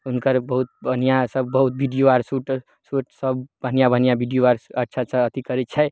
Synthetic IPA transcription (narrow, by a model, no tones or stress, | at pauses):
unkəɾbəɦut̪̚bʱənijasəbːəɦut̪̚bʱiɖijoʋaɾsuʈ | suʈsəbbʱənijabʱənijabʱiɖijoaɾətːt͡ʃʰat͡ʃʰaət̪ikəɾɛt͡ʃʰə